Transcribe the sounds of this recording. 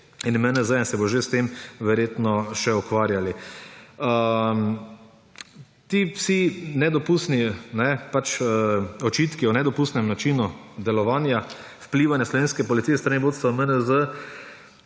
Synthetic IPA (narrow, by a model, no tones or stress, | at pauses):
inmənəzənsɛboʒest̪emʋɛɾjeːt̪nɔʃɛukʋaːɾjali | əm | t̪iwsinɛd̪ɔpust̪ninɛpat͡ʃəɔt͡ʃiːt̪kiɔnɛd̪ɔpuːst̪nɛmnat͡ʃiːnud̪ɛlɔʋaːnja | wpliːʋanjaslɔʋeːnskɛpɔlit̪ijɛst̪ɾaniboːt̪st̪ʋamənəzə